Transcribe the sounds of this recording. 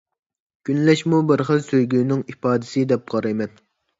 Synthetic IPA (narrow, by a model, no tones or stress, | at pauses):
ɡ̥ʲynlɛʃmubɪɾχəlsøjɡʲynɪŋipɑːd̪ɪsɪd̪ɛp̚qɑɾɨmɛt̪